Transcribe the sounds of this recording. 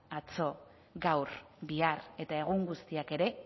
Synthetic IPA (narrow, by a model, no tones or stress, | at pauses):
at͡so̞ | ɡawɾ | biare̞t̪ae̞ɣuŋɡust̪iake̞ɾe̞